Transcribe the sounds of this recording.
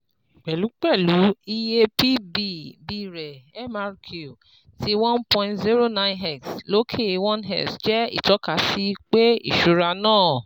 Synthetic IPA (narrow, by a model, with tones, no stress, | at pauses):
k͡pɛ˨lu˨˦k͡pɛ˦˨lu˨˦i˧je˧pi˦bi˦˨bi˧˨ɾɛ˨ɛ˦ma˧ɾkʰu˨ | ti˦w̃ɔ̃˦npɔ̃˧ĩ˧tzi˦ɾo˦˨nã˦˧j̃nɦɛ˦˨kslo˦kʰe˦˨˧wɔ̃˦nɦɛ̰˦˨sd͡ʒɛ˦ḭ˦˨tɔ˨˦ka˧˦si˦k͡pe˦ḭ˦˨ʃu˧ɾa˧nãː˦˨